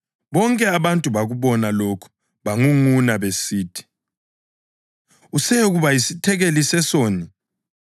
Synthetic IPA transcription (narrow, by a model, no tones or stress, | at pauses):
βɔŋkʼɛaβantʼuβaɣuβɔnalokʰu̥ | βaŋuŋunaβesiːtʰi̥ | usɛɣuβajisitʰɛɣelisɛsoːni